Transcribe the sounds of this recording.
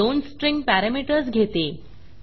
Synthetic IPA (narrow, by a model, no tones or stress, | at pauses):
onsʈɾĩŋɡ̚pæɾamiʈəɾsɡʱet̪e